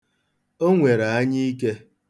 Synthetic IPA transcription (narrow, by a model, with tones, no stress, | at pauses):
o˦ŋʷe˨ɾa˨a˦ɲi˦i˦ke˦